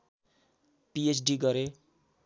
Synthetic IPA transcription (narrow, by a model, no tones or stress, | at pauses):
piet͡sɖiɡʌɾe